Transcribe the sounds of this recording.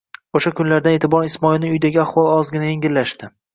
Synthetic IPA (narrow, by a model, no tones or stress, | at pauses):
oʃakʰʊnlaɾd̪anet̪ʰɪbɒɾɪsmɒɪlˠnɪʊjd̪aɡʲɪaχwɒlˠɒzɡʲɪnajeŋɡʲɪɾlaʃt̪ɪ